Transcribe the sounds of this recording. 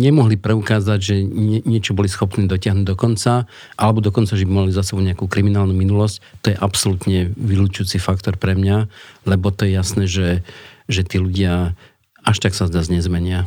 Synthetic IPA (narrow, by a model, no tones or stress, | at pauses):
ɲɛmɔɦlipɾɛukaːzaɟʒɛɲɛɲɪɛt͡ʃɔbɔlisxɔpnɛːd̪ɔcɪaɦnuːɟd̪ɔkɔnt͡sa | ʔalɛbɔd̪ɔkɔnt͡saʒɛbimalizasɛbɔʊɲɛakuːkɾiminaːlnuminulɔsct̪ɔjɛʔapsɔlut̪ɲɛʋiluːt͡ʃʊjuːt͡sifakt̪ɔɾpɾɛmɲalɛbɔt̪ɔjɛjasnɛːʒɛʒɛt̪iːluɟɪa | aʃt̪aksazd̪azɲɛzmɛɲɪa